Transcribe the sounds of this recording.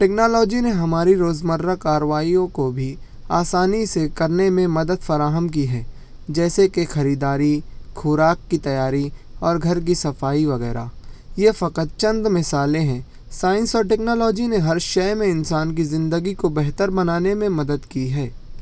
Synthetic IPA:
ʈɛːknɔːlɔːd͡ʒineɦɐmaːɾiɾoːzməɾːakaːɾəʋaːijõkobʱi | aːsaːnisekɐɾnemẽmɐd̪əd̪fɐɾaːɦəmkiɦɛː | d͡ʒɛːsekexɐɾiːd̪aːɾikʰʊɾaːkːit̪ɐjaːɾiɔːɾɡʱɐɾk̬isɐfaːiʋɐɣɛ̰ːɾa̰ːjefɐqət̪̚t͡ʃɐ̃nd̪mɪsaːlẽɦɛ̃ː | saːɪ̃nsɔːɾʈɛːknɔːlɔːd͡ʒineɦɐɾʃɛːmẽɪnsaːnk̬izɪ̃nd̪əɡikobɛɦt̪əɾbɐnaːnemẽmɐd̪əd̪kiɦɛː

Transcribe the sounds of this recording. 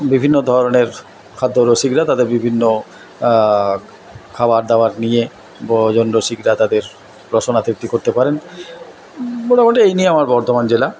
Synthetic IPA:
bibʱinːod̪ʱɔɾoneɾ | kʰad̪ːoɾoʃiɡɾat̪ad̪eɾbibʱinːo | kʰabaɾd̪aoaɾnije | bɔd͡ʑonɾoʃiɡɾat̪ad̪eɾ | ɾoʃonat̪ik̚t̪ikoɾt̪epaɾen | boɽemoʈeejnijeamaɾbɔɾt̪omand͡ʑela

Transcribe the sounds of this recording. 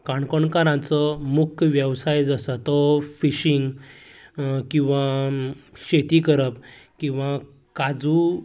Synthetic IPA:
kaɳkɔɳkaɾãt͡sɔmukʰʋjəwsajd͡zasət̪ɔfiɕiŋɡ | kĩw̃ʋã | ɕet̪ikəɾəpkĩw̃ʋã | kad͡zu

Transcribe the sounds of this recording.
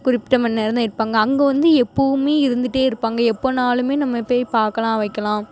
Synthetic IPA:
kʊrɪpːɪʈːɐmɐnːɛɾɐnd̪ɐɪɾɯpːaːŋɡɐːŋɡɐʋɐnd̪ɯɛpːoɯmeːɪɾɯnd̪ɯʈːeːɪɾɯpːaːŋɡɐɛpːoːnaːlɯmeːnɐmːɐpːeːjpaːɾkɐlãːʋɐɪkːɐlãː

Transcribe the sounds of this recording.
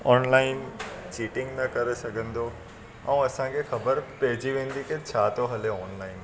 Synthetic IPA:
ɔːnlaːɪnt͡ɕiːʈɪ̃ŋɡnɐkɐɾesɐɡʱə̃nd̪o | ɛ̃ːɐsãkʰexɐbəɾpɐɦɪd͡ʑiʋẽːnd̪iket͡ɕʰaːt̪oɦɐleɔːnlaːɪn

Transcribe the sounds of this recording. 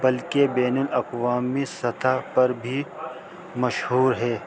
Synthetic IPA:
bɐlkebɛːnʊlɐqwaːmisɐt̪ʰapɐɾbʱi | mɐʃɦuːɾɦɛː

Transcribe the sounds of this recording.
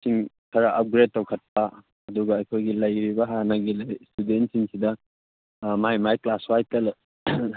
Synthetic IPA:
siŋ | kʰɐɾɐʔɐp̚ɡɾed̚tːɐwkʰɐt̚p̚ɐ | ɐduɡɐːjkʰojɡilɐjɾibɐɦanɐɡilɐjstudentsiŋsidɐ | majmajklaswajtel

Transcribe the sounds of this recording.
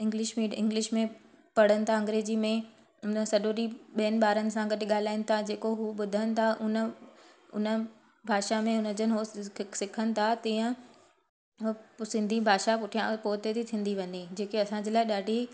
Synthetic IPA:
ɪ̃ŋɡlɪʃmĩɪ̰̃ŋɡlɪʃmẽ | pɐɽ̤ənɪ̆t̪ʰaɐ̃ŋɡɾeːd͡ʑimẽ | ʊnəsɐɗoɾiɓijənɪ̆ɓaːɾənɪ̆sãɡɐɗɪ̆ɠaːl̤aːɪnɪ̆t̪ʰad͡ʑeːkoɦuɓʊd̪ʱənɪ̆t̪ʰaʔʊnə | ʊ̰nə̆ | bʱaːʃamẽʊnə̆d͡ʑənɦosɪkʰənɪ̆t̪ʰat̪iːə̃ | sɪ̃nd̪ʱibʱaːʃapʊʈʰijãpoːt̪et̪ʰit̪ʰĩːn̆d̪iʋɐnid͡ʑeːkeɐsãɲd͡ʑeːlaːɪɗaːɖʱi

